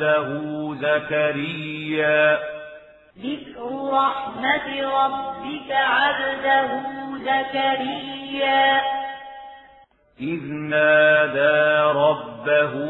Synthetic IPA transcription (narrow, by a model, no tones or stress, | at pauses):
aɦʊːzakaɾɪjːaː | ðɪkɾʊɾˤɑħmat̪ɾˤɑbbːɪkaʕad̪ad̪aɦʊzakaɾɪjːaː | ʔɪðnaːd̪aːɾˤɑbːaɦ